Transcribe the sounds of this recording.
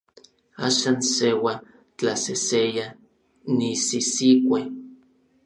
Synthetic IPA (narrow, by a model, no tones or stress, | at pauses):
a̰ːʃaːnsewa | t͡ɬaseseja | nisisikʷe